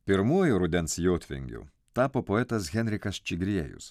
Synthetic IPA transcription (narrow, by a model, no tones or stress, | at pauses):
pʲɪɾmuɔjʊɾʊd̪ʲɛnsjoːt̪ʲʋʲɪ̰ŋʲɡʲṵː | t̪ɑːpoːpoːɛt̪ɐsɣʲɛnʲɾʲɪkɐst͡ʃʲɪɡɾʲiɛjʊ̰s